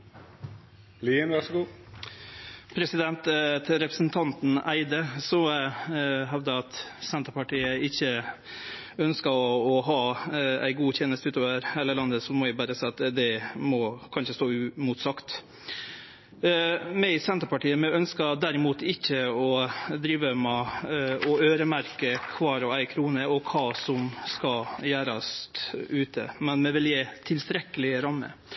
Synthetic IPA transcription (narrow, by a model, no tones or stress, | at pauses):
liːənʋɑʁʂɡuː | pʰɾɛsɪd̪ɛnt̪t̪ʰɾɛpɾəsn̩t̪ʰɑnt̪n̩æɪd̪əsɔ | ɦɑʋd̪əɑt̪sɛnt̪əɾpɑʈiːəɪçːə | œnskɑɔɦɑːæ̰ɪɡuːt̪ʰeːnəst̪ʉːt̪oːʋəɾheləlɑnd̪əsɔmɔæbɑːɾəsæɪɑt̪d̪ɛmɔkʰɑnʂəst̪oːʉmuːt̪sɑkt̪ | mɛsɛnt̪əɾpɑʈiːəmɛœnskɑd̪æɾɪmuːt̪ʰɪçːəɔd̪ɾiːʋəmɛ | ɔøːɾəmæɾkəkʰʋɑːɾɔæɪkʰɾuːnəɔkʰɑːsɔmskɑjæːɾɑst̪ʉːt̪ʰə̰mɛnmɛʋɪljet̪ʰɪlst̪ɾɛkːəlɪɾɑmːə̰